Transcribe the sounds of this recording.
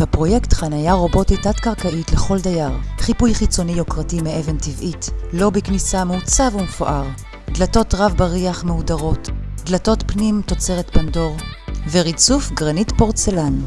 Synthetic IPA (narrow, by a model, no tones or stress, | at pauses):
hapʁo̞jektχanajaʁo̞bo̞tijtatkaʁkaʔitleχo̞ldajaʁχipujχit͡so̞nijokʁatimeeventivʔitlo̞biknisamut͡savumefoʔaʁ | d̪lato̞tʁavbaʁiaχmeudaʁo̞td̪lato̞tpnimto̞t͡se̞ʁetpando̞ʁveʁit͡sufɡʁanitpo̞ʁt͡selan